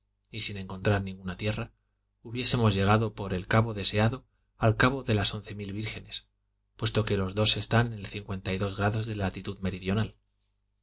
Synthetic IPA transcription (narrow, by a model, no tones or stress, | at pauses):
isinẽ̞ŋko̞nt̪ɾaɾnĩŋɡunat̪je̞ra | uβje̞se̞mo̞zʝe̞ɣ̞aðo̞po̞ɾe̞lkaβo̞ðe̞se̞aðo̞ | alkaβo̞ðe̞laso̞n̟θe̞milβiɾxe̞ne̞s | pwe̞st̪o̞ke̞lo̞zðo̞se̞st̪annelθiŋkwe̞nt̪ajðo̞zɣɾaðo̞zðe̞lat̪it̪uðme̞ɾiðjo̞nal